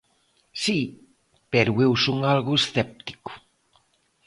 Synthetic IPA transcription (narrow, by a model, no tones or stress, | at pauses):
si | peɾʊewsoŋalɣʊesθɛp̚t̪i̥kʊ̥